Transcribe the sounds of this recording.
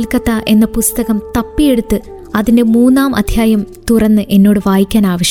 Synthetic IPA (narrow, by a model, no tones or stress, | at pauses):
lkɐt̪ːaʔe̞nːɐpust̪ɐɣɐmt̪ɐpːije̞ɽut̪ːɨ | ɐðinde̞muːnːaːmʔɐ̰d̪ʱjaːjɐmt̪urɐnːɨʔe̞nːo̞ːɽɨʋaːjikʲːaːnaːʋɐɕɐ